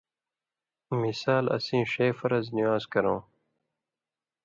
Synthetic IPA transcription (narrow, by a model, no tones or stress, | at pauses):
misaːlɐ̰sĩːʂeːfɐɾɐzniwaːzkɐɾõː